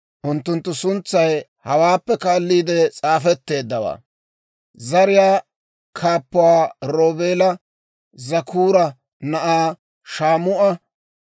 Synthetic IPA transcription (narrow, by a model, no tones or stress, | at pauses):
ʔʊnt̪ːʊnt̪ːʊsʊnt͡sːɐjhɐwaːpːɛkaːlːiːd̪ɛt͡sʼaːfɛt̪ːe̞ːd̪ːɐwa̰ː | zɐɾɪjaː | kʰaːpːʊwaːɾo̞ːbeːlɐ | zɐkʰuːɾɐ | nɐʔaː | ʃaːmʊʔɐ